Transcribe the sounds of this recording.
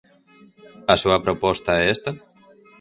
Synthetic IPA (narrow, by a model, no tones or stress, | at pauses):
ɐsuɐpɾopɔst̪aɛest̪a